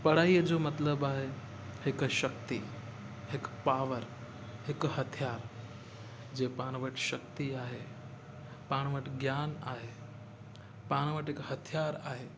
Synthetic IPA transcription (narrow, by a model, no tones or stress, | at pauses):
pɐɽ̤aːiəd͡ʑoːmɐt̪ləbaːɦe | hɪkʃɐkt̪i | ɦɪkpaːʋəɾ | ɦɪkhɐt̪ʰijaːɾ | d͡ʑeːpaːɽ̃ʋəʈʃɐk̚t̪iaːɦe | paːɽ̃ʋəʈɡjaːna̰ːɦe | paːɽ̃ʋəʈɦɪkhɐt̪ʰijaːɾaːɦe